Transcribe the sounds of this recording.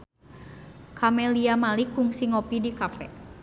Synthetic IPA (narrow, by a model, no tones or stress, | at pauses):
kʰamɛliamalikːuŋsiŋopidikapɛ